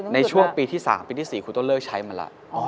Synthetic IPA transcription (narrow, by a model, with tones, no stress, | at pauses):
na˧jt͡ɕʰu˥˩əŋpiː˧t̪ʰiː˥˩sa̰ː˩˦mpiː˧t̪ʰiː˥˩siː˨˩kʰu˧t̪o˥˩lɤː˥˩k̚t͡ɕʰa˦˥jma˧nla̰˧˦